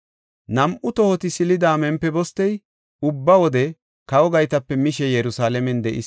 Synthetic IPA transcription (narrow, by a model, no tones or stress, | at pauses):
nɐmʔʊt̪ɔhɔt̪ɪsɪlɪd̪aːmɛmpːɛbɔst̪ːɛj | ʊbːɐwɔd̪ɛ | kɐwɔɡɐjt̪ɐpːɛmɪʃɛjɛɾʊsaːlɛmɛnd̪ɛʔɪs